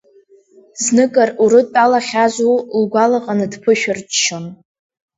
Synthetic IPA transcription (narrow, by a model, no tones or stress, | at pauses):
znɨkʼaruɾɨtʼalaχʲazʷulɡʷalaqʼanɨdpʰɨʃᶣɪrt͡ʃʼʃon